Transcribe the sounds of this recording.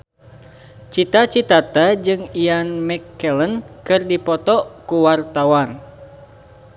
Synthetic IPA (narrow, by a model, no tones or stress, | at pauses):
t͡ʃit̪at͡ʃit̪at̪ad͡ʒɨŋijanmɛkːɛlənkɨrdipɔt̪ɔkuwart̪awan